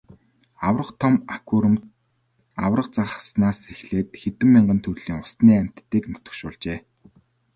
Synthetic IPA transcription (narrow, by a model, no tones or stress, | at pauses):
awrə̆χt̪ʰɔmakʰuɾə̆m | a̰wrə̆q̚t͡saχə̆snaːsexɮeːt̪xet̪ɘ̆mːiɴɢə̆nt̪ʰɵrɮiːŋʊst̪niːæm̥ʲt̪ːiːknɵ̥t̪ɵ̆kʃʊːɮt͡ɕeː